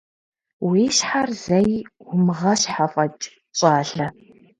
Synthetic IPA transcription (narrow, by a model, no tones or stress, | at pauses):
wiːʃħarz̥ɐjʷʊmʁɐɕħafʼɐt͡ʃʼ | ɕʼɑːɮɐ